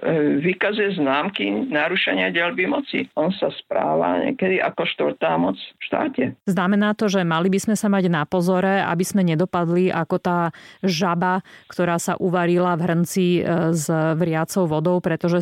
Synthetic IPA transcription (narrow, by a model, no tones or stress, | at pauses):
ʋikazujɛznaːmkinaɾuʃɛɲɪaɟɛlbimɔt͡sḭʔɔnsaspɾa̰ːʋa̰ɲɛ̰kɛd̪iʔa̰kɔʃt̪ʋr̩t̪aːmɔt͡sfʃt̪a̰ːcɛznamɛnaːt̪ɔʒɛmalibizmɛsamaɟnapɔzɔɾɛa̰bizmɛɲɛd̪ɔpad̪liʔa̰kɔt̪aːʒabakt̪ɔɾaːsa̰ʔuʋaɾilavɦr̩nt͡sizʋɾɪat͡sɔʊʋɔd̪ɔʊpɾɛt̪ɔʒɛ